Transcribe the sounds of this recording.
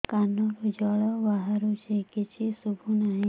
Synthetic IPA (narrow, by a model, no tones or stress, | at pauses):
kanɔkod͡ʒɔɭɔbaɦaɾut͡ʃʰekit͡ʃʰisubʱunaɦĩ